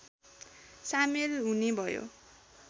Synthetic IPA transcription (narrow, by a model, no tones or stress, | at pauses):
samilɦunibʱʌjo̰